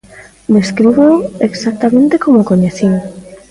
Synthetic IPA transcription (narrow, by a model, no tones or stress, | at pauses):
d̪eskɾiβoeksak̚t̪amẽnt̪ekomokoɲeθiŋ